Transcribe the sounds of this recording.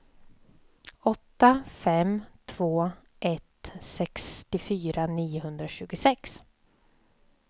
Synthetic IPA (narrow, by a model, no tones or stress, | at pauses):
ɔt̪ːafɛmt̪ʰv̥oː | ʔɛt̪sɛkst̪ɪfyːɾaniːʊɦɵnd̪ɾaɕʉ̟ːɡʊsɛks